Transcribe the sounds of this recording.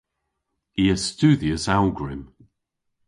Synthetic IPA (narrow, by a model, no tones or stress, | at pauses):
iəz̥stʉːðiəsalˠɡɹɪm